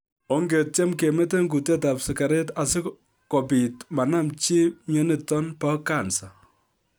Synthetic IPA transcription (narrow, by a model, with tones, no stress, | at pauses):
o˦ŋɡe˨t̚t͡ʃɛ˦mke˨me˦t̬e˦ŋɡu˨te˦ta˨psɪ˨ka˨ɾɛ˦ta˨sɪ˦ | kɔ˨pi˨tma˨na˦mt͡ʃi˦ɲɔ˦ni˦˨tɔ˦npa˦ka˨nsa˨